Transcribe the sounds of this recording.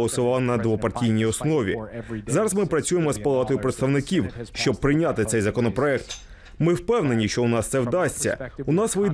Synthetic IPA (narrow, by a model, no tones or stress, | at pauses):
lˠɔsʊʋɑwnɐd̪ʋɔpɐrtʲijnʲijɔsnɔʋʲḭzɑɾɐzmɪpɾɐt͡sʲujemɔspɐlˠɑt̪ɔjʊpɾet̪st̪ɐʋnɪkʲiwʃt͡ʃɔb̚pːɾɪjnʲat̪ɪt̪sɛjzɐkɔnɔpɾɔɛkt̪ | mɪwpɛwne̞nʲiʃt͡ʃɔʊnɑst̪sɛwd̪ɑsʲtʲt͡sʲːɐ̰ʊnɑsʋɔji